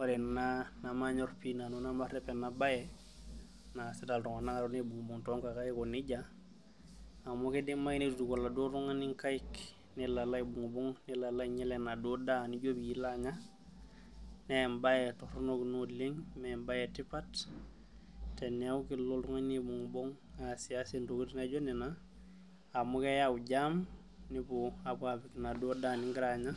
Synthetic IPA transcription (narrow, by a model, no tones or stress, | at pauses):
waɾinanamaɲoɾpinanunamaɾepenabajɛ | nasidaltuŋanaŋaɾonebuŋbuŋtoŋkakajikoniɟa | amokedimainidudukolːadotuŋaniŋkajik | nilalajibuŋbuŋnilalajɲelenadodaniɟobjilaɲa | nembajetoɾnoknuliŋmembajetipat | teniaukiloltuŋanibuŋboŋ | asiasintokitnaɟonina | amokejauɟam | nipuapafiknadodaniŋɡiɾaɲa